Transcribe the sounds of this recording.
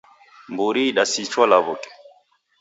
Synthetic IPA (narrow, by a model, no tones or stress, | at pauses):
mbuɾiɗasit͡ʃwalaβɔkɛ̥